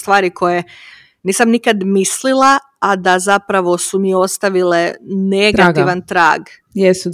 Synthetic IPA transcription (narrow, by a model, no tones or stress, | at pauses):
st̪ʋaːɾikʰo̞je | niːsamnikad̪mislilˠa | ad̪azapɾaʋo̞sumijeo̞st̪aʋile̞neɡaiʋant̪ɾa̰ːɡ | jesu